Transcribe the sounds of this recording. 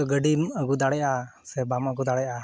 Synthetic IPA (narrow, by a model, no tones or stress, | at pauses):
ɔɡəɖiməɡud̪aɽɛʔasɛbaməɡud̪aɽɛʔa